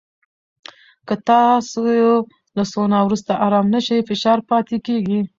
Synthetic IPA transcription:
kət̪ɑsojo | lasonawɾust̪aʔaɾɑmnəʃajfɪʃɑɾpɑt̪ekeɡi

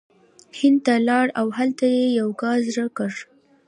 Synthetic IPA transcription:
hɪnd̪̚t̪alɑɽawɦalt̪ajejawkɑs̬ɾəkəɾ

